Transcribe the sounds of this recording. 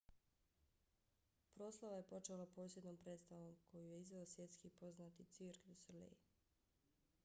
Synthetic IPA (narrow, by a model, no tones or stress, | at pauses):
pɾo̞ːslˠaʋaje̞po̞t͡ʃelapo̞ːsje̞d̪noːmpɾet̪st̪aʋo̞mkʰo̞juje̞izʋeosʋje̞t̪skipo̞znat̪it̪siɾkʋislḛ